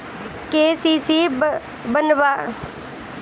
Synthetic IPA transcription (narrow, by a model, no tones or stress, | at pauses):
keːsiːsi | bənʋa